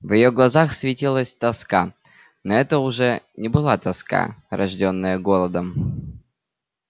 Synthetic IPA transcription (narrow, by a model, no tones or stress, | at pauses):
vjɪjoɡlˠɐzaxsvʲɪtʲilˠəsʲt̪ɐska | noɛt̪əʊʐɛnʲɪbɨlˠat̪ɐska̰ɾɐʐdʲonːəjəɡo̞lˠəd̪əm